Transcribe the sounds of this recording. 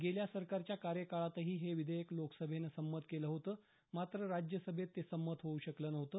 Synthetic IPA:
ɡeljasəɾkaɾt͡ɕjakaɾjəkaɭat̪əɦiːɦeʋid̪ʱəjəkloksəbʱenəsəmːət̪keləɦot̪əː | mat̪ɾəɾad͡ʑjəsəbʱet̪ːesəmːət̪ɦouɕəkləːnəɦot̪əː

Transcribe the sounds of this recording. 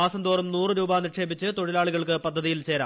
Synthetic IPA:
aːsɐmd̪uːrɐmnuːrɨɾuːbaːnirʂe̞ːbit͡ɕːɨt̪oɽilaːɭuɣɐɭkɨpɐd̪ʱːɐðijilt͡ɕe̞ːɾa̰ː

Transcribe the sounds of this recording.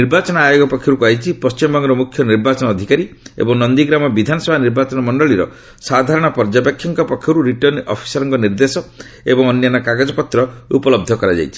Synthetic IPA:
niɾbat͡ʃɔnɔajoɡɔpɔkʰjɔɾukuajt͡ʃʰipɔst͡ʃimɔbɔŋɡɔɾɔmukʰjɔniɾbat͡ʃɔnɔːd̪ʱikaɾiḛbɔŋnɔnd̪iɡɾamɔbid̪ʱanɔsɔbʱaniɾbat͡ʃɔnɔmɔɳɖɔɭiɾɔ̰ | sad̪ʱaɾɔɽ̃ɔpɔɾd͡ʒapekʰjɔŋkɔpɔkʰjɔɾuɾiʈɔnɔ̰pʰi̥sɔɾɔŋkɔniɾd̪esɔ | ebɔŋɔnjanɔkaɡad͡ʒɔpɔt̪ɾɔupɔlɔb̚d̪ʱɔkɔɾad͡ʒa̰jt͡ʃʰi̥

